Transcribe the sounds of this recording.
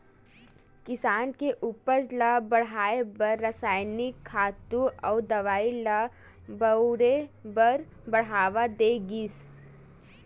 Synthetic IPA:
kɪsaːnkeʔuːpəɾlabɐɽ̤aːebəɾːəsaːɪnikʰːaːt̪ũɔːd̪ɐʋaːila | bəɾebəɾ | bɐɽ̤ɦaːʋad̪eːɡiːs

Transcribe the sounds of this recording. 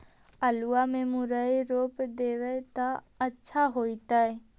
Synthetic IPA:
əluamẽmʊɾəiɾoːpd̪eːʋət̪a | ətːʃʰaɦoːit̪aɛ

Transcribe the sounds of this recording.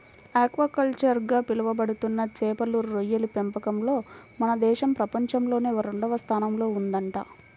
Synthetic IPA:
aːkʋɐːkɐlt͡ʃɐɾɡaːpilɐʋɐbɐɽut̪unːɐt͡ʃɛːpɐluɾːojːɐlupempɐkɐmlo̞ːmɐnɐd̪ɛːʃɐmpɾɐpɐɲt͡ʃɐmlo̞ːneːʋɐɾuɳɖɐʋɐst̪ʰaːnɐmlo̞ːund̪ɐɳʈaː

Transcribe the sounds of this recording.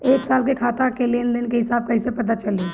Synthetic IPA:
eːksaːlkekʰaːt̪akelend̪ɪnkeɦɪsaːb̚kɐɦɪsepɐt̪at͡ʃɐliː

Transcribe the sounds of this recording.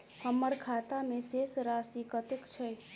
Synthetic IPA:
həmːəɾkʰat̪amesesɾasikət̪ekt͡ʃʰɛ

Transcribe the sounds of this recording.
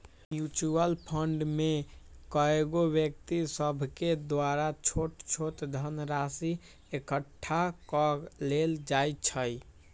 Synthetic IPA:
jut͡ʃuəlpʰəɳɖmekəeɡobjəkt̪isəbʱked̪waɾat͡ʃʰoʈt͡ʃʰoʈd̪ʱənɾasi | ekəʈʰːakɔleld͡ʒajt͡ʃʰəj

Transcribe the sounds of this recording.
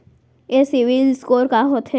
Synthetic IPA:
esiʋilskoːɾkaɦot̪ʰe

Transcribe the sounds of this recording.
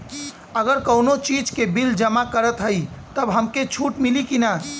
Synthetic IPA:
əɡəɾkəwnot͡ʃid͡ʒkebild͡ʒəmakəɾət̪ɦəjt̪əbɦəmket͡ʃʰuʈmilikina

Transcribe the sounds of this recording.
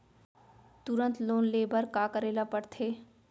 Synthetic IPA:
t̪uɾə̃nt̪loːnleːbəɾkaːkəɾeːlapəɽt̪ʰeː

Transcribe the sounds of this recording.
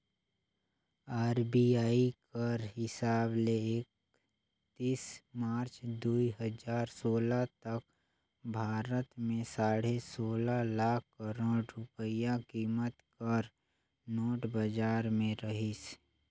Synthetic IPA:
aːɾbiaːikəɾɦɪsaːbleeːk̚ | t̪iːsmaːɾt͡ʃd̪uːiɦəd͡ʒaːɾsoːlat̪ək̚ | bʱaːɾət̪mẽsaːɽesoːlalaːkʰkəɾoːɖɾʊpəjakiːmət̪kəɾ | noːʈbəd͡ʒaːɾmẽɾəɦis

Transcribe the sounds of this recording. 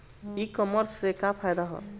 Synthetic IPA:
ikɔməɾsekapʰajd̪aɦɔ̰

